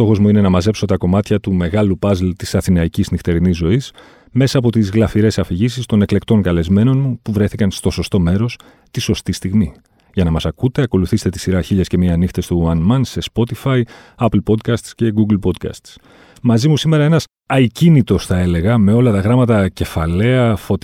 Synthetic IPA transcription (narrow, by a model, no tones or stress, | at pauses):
st̪o̞xo̞zmuine̞nɐmɐze̞pso̞t̪ɐko̞mɐt̪çɐt̪ume̞ɣɐlupɐzlt̪isɐθinɐiciznixt̪e̞ɾinizːo̞is | me̞sɐːp̬o̞t̪izɣlɐfiɾe̞sɐfiʝisist̪o̞ne̞kle̞kt̪o̞ŋkɐle̞zme̞no̞nmupuvɾe̞θikɐnst̪o̞so̞st̪o̞me̞ɾo̞s | t̪iso̞st̪ist̪iɣmi | ʝɐnɐmɐsɐkut̪e̞ɐko̞luθist̪t̪i̥siɾɐçiʎɐsce̞miɐnixt̪e̞st̪uɐnmɐnse̞spo̞t̪ifɐi | ɐplpo̞d̪̚kɐst̪sce̞ɡuɡlpo̞d̪kɐ̰st̪s | mɐzimusime̞ɾɐe̞nɐs | ɐicinit̪o̞sθɐe̞le̞ɣɐme̞o̞lɐt̪ɐɣɾɐmɐt̪ɐce̞fɐle̞ɐfo̞t̪